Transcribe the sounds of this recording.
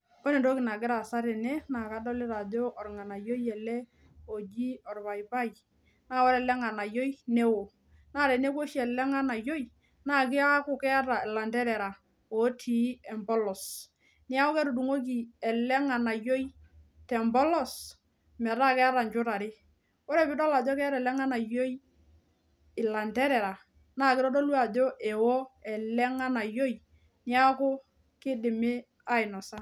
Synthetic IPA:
ɔ˦nɛ˨ndo˦kɪ˨na˨ɡɪ˦ɾa˨sa˦ɾɛ˨nɛ˦na˨ka˦dɔ˦lɪ˦ɾa˨do˦ʔɔ˨ɾŋa˨na˨jo˦jɛ˨lɛ˦ | o˨d͡ʒi˦ɔ˨ɾβa˨jba˦˨j | naː˦wɔ˦ɾɛ˨lɛ˦ŋa˨na˨jo˦i˦nɛ˦wo˨ | naː˦˨ɾɛ˨ne˦ko˦ʃɛ˨lɛ˦ŋa˦na˨jo˦j | na˦˨k̬ɪ˦a˦kʊ˨˦kɛ˦a˦ɾa˨ɛ˨la˨ndɛ˦ɾɛ˨ɾa˨ | ɔ˨˦tʰi˨˦ɛ˨mbɔ˦lɔ˨s | nɪ˦a˦ɔ˦kɛ˦ɾu˨du˨ŋo˦k̬i˨ɛ˨lɛ˦ŋa˨na˨jo˦i˦ | tɛ˨mbɔ˦lɔ˦˨s | mɛ˨ɾa˦kɛ˦a˦ɾa˨ɲt͡ʃʊ˦ɾa˨ɾɪ˦ | o˦ɾɛ˨pɪ˦dɔ˦la˨d͡ʒɔ˦kɛ˦a˦ɾɛ˨lɛ˦ŋa˦na˨jo˦j | ɪ˨la˨ntɛ˦ɾɛ˨ɾa˨ | na˦˨kɪ˦ɾɔ˦do˦lwa˨d͡ʒɔ˦ʔɛ˨wo˦ɛ˨lɛ˦ŋa˦na˨jo˦j | nɪ˦a˦kʊ˦ | kɪ˦dɪ˨mɪ˦ | a˦ɪ˨nɔ˨sa˦

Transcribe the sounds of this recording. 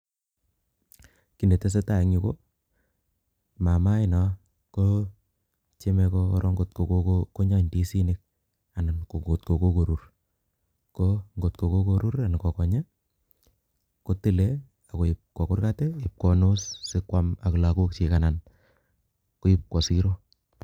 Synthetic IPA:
ki˨ne˨te˦s̬e˦ta˨i˦ŋu˨ko˦ | ma˨ma˦ɪ˦nɔ˨ | ko | t͡ʃe˦me˧ko˧˦ɾɔ˦ŋɡo˨tko˨kooko˦ɲa˦ɲdi˦si˦nɪ˦k̚ | a˨n˨ko˨ŋɡo˨t̚ko˨ko˦ko˨ɾu˦r | koŋɡo˨tko˨ko˦ko˨ɾu˦ɾa˨n˨kɔ˨kɔ˨ɲa˦ | ko˦ti˦˨le˦ | a˨ko˨ɪ˨p̚kɔ˨kʊ˦rka˦te˦ɪ˨p̚kɔ˨no˦sːɪ˦kwa˦ma˨kla˨ko˦k̚t͡ʃi˨ka˨na˨n | ko˦jɪ˦p̚kɔ˨si˦ɾo˦

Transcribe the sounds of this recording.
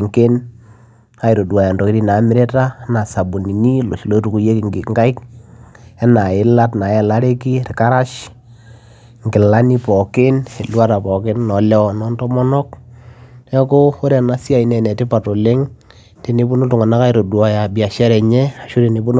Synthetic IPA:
ŋke˦n | a˦i˨ɾo˨da˨ja˨ndɔ˨ki˦ɾi˦na˨˦mɪ˦ɾe˦ta˦na˨sa˨bu˨ni˨ni˦lo̰˨ʃi˨lo˦tu˨ku˨je˦kɪ˨ŋɡɪ˨ŋɡa˦i˦k | ɛ˦na˨ɪ˦la˦tna˨ɛ˦la˦ɾe˦ki˦ɾɪ˨ka˦ɾa˦ʃ | ŋɡɪ˨la˦ni˦pɔ˨kɪ˦ne˨lwa˦ɾa˨pɔ˨kɪ˦nːɔ˨lɛ˦ɔ˨nɔ˦ntɔ˦mɔ˦nɔ˦k | ɛ˦ko˦o˦ɾɛ˨na˦sa˨i˦nɛ˨nɛ˨tɪ˦pa˨to˨le˦ŋ | te˦ni˦bu˦no˦tʊ˨ŋɔ˨na˦ka˦i˦ɾo˨du˨a˨ja˨bi˨a˨ʃɛ˦ɾɛ˨ɲɛ˦a˨ʃu˦ɾi˨ni˨˦bu˦n

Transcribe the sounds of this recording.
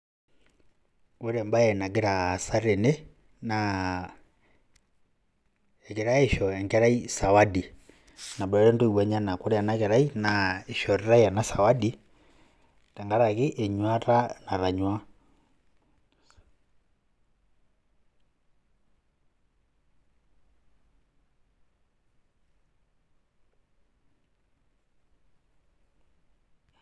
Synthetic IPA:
wɛ˦ɾɛ˨mba˦jɛ˨na˨ɡi˦ɾa˨sa˦ɾe˨ne˦ | na˨ | ɛ˨kɛ˨ɾa˦e˦ʃɔ˨ɛ˨ŋɡɛ˦ɾa˦i˦sa˨wa˦di˨ | na˨bɾɛ˦ɾɛ˦ndo˦i˨wɛ˨ɲa˦na˨ku˦ɾɛ˦a˨na˦kɛ˨ɾa˦i˦na˨e˨ʃɔ˨ɾi˦ɾa˦ia˨na˦sa˨wa˦di˦ | ta˨ŋɡa˦ɾa˨ki˦ʔɛ˨ɲwa˦ɾa˦na˨ɾa˨ɲwa˦

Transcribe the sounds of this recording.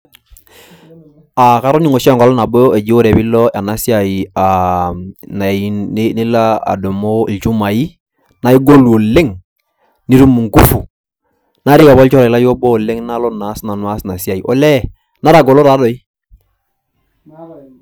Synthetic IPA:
a˨ka˨˦ɾɔ˦ni˨ŋɔ˨ʃŋɡa˨lɔ˦na˨bɔ˦ɛ˨d͡ʒi˦o˦ɾɛ˨bi˦lɔ˦a˨na˦si˦a˨i˨a˨ | na˨i˨˦ni˦la˦a̰˨do˨mo˦i˨lt͡ʃu˦ma˨i˦ | na˨i˦ɡo˦lu˨o˨le˦ŋ | ni˦ɾu˦mu˨ŋ˨ku˦fu˨ | na˦ɾɪ˦ka˨bɔ˦lt͡ʃɔ˦ɾa˨i˨la˦jɔ˦bɔ˦˨le˦ŋna˦lɔ˦na˨˦sna˨nwa˦sna˨si˦a˨i˨ʔɔ̰˨lɛ˦ | na˦ɾa˨ɡɔ˨lɔ˦ɾa˨˦dɔ˨i˦

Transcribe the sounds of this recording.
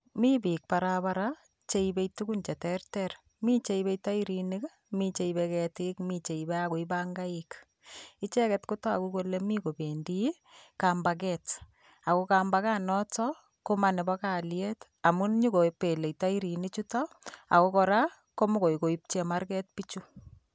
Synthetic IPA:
mi˦bi˨k̚pa˨ɾabaɾa | t͡ʃe˦ibe˦jtukunt͡ʃɛ˨tɛrtɛɾ | mi˦t͡ʃe˦ibe˦jta˦iɾinik | mi˦t͡ʃe˦ibɛkɛtɪkmit͡ʃe˨ibɛako˨ibaŋɡa˦ɪk | ɪ˦t͡ʃɛ˦kɛtko˦to˦a˨kuko˦lemiko˨bendi˦ | ka˨mba˨k̬ɛt | a˨ko˦kambaka˦nɔ˦tɔ˦ | ko˦ma˨nɛ˨ba˦ka˨ljɛt | a˨mu˦ɲu˦ko˨pe˨le˨ita˦i˦ɾi˨nit͡ʃu˦tɔ˦ | a̰˨ko˦kɔ˨ɾa˦ | ko˦mo˦ko˨jko˨i˦p̚t͡ʃema˦ɾkɛ˦t̚pit͡ʃu˦

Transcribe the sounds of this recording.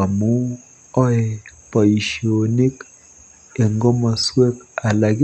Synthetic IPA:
a˨mu˦ | ɔ˦ɛ˨pa˨i˨ʃi˨o˨ni˦k | e˨ŋɡɔ˦ma˨swe˦k̚a˨la˨ɡ

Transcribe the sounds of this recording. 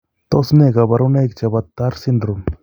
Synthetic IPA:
t̪o˦sne˦˨ɡa˨ba˧ɾu˦ne˦kt͡ʃa˨ba˧t̪ːa˦ɾsi˦nd̪ɾu˨m

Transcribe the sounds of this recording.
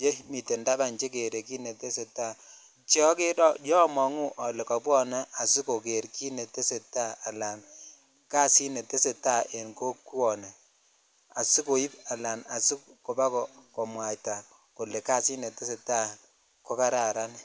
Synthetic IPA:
t͡ʃe˦mi˨te˨nda˦ba˨nt͡ʃe˦k̬e˨ɾe˨ki˦ne˨te˦se˨ta˦˨ | t͡ʃɔ˦ke˦dɔ˦jɔ˦mɔ˨ŋu˦ʔɔ˨le˨ka˨bɔ˦na˦a˨si˦ko˨ke˨ɾki˦ne˨te˦se˨ta˦˨a˨la˨n | ka˦si˦ne˨te˦se˨ta˦˨ʔe˨nko˦ku˦ɔ˨nɛ˨ | a˨si˦ko˨i˦ba˨la˨na˨si˦ko˨ba˦kɔ˨kɔ˨mwa˨jta˨ | ko˨le˨ka˦si˦ne˨te˦se˨ta˦˨ | ko˦ka˦ɾa˨ɾa˦n˨

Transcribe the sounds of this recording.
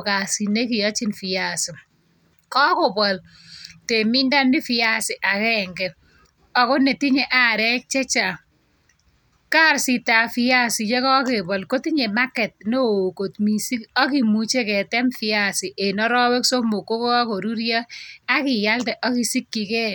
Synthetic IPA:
ka˨si˨ne˦kɪ˨jɔ˦t͡ʃɪ˦nfi˨ja˨sɪ˨ | kɔ˦kɔ˨bɔ˨l | te˨mɪ˦nda˦nːɪ˦fɪ˨ja˦sɪ˨ʔa˨kɛ˦ŋɡɛ˨ | ɔ˨kɔ˦ne˨ti˦ɲe˨ʔa˦ɾɛ˦k̚t͡ʃɛ˦t͡ʃa˨ | ka˦˨ɾsi˨ta˨fɪ˦ja˦sɪ˨t͡ʃɛ˦kɔ˦ke˨bɔ˨lko˦ti˦ɲe˨ma˦kɛ˨t̚no˦o˨ko˨tmi˨si˦kɔ˦ki˨mu˨t͡ʃe˦kɛ˨tɛ˦mfɪa˦sɪ˨ʔe˨nɔ˦ɾɔ˦wɛ˦kso˦mo˨ko˦ko˦ko˨ɾu˦ɾjɔ˦a˦kɪ˨ja˦ltɛ˨ʔɔ˦ki˨si˦kːi˨kɛ˦

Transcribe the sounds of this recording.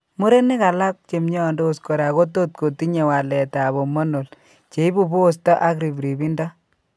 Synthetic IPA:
mu˦ɾe˦nɪ˦ka˨la˦k̚t͡ʃe˨mɲɔ˦˨ndo˦o˨sko˨ɾa˨ko˦to˦t̚ko˨ti˦ɲe˨wa˨lɛ˨taː˨βo˨mo˦no˨l | t͡ʃe˨i˦bu˨bo˦˨sta˦ʔa˦k̬ɾi˨bɾi˨bi˦nda˦

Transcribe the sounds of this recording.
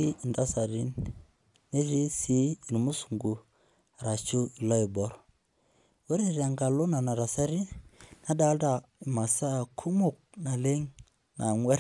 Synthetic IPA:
i˦˨nda˦sa˨ɾi˦nː | e˦ɾi˦si˦˨n˨mu˦su˨ŋɡu˨ | ɾa˨t͡ʃu˦˨la˦ɪ˨bɔ˨˦ɾ | we˦ɾe˦˨ɾa˨ŋɡa˨lʊ˦na˨na˨ɾa˨sa˦ɾi˦na˦da˦da˨ | i˨ma˨sa˦˨kʰu˦mʊ˨k̚na˨le˦ŋ | na˨ŋwɛ˦ɾ

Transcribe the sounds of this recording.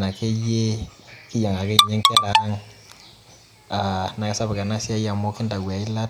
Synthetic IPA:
na˨kʰe˦je˦ki˦ja˨ŋa˨kɛ˦˨ɲɛ˦ŋ˦kɛ˦la˨˦ŋ | a˨na˨kɛ˦sa˦bɛ˨ka˨na˦si˦a˦ja˨mo˦ki˦nda˨ɡwa˨i˦la˦t

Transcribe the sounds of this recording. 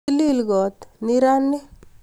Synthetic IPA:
i˦li˦lɡɔ˨t̪ni˦ɾa˦nːi˦

